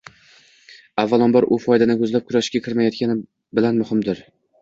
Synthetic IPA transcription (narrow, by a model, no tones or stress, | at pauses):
avːalˠɒnbɒɾʔʊfɒjd̪anɪkʲʰɵzlap̚kʲʰʊɾaʃɪ̥ʃkʲakʰʲɪɾmajɒt̪̚kʲʰanɪ | bɪlanmʊhɪmd̪ɪɾ